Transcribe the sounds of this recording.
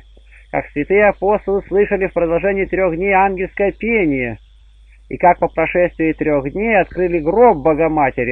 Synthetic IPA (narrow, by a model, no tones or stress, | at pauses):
ka̰ksvʲɪt̪ɨjəɐpo̞st̪əlˠɨslˠɨʂəlʲɪfpɾəd̪ɐlˠʐɛnʲɪːt̪ɾʲo̞ɣdʲnʲejanɡʲɪlʲskəjəpʲenʲɪjə | ḭkak̚pəpɾɐʂɛsʲt̪vʲɪɪt̪ɾʲoɣd̪ʲnʲejɐt̪kɾɨlʲɪɡɾobːəɡɐmatʲɪɾʲɪ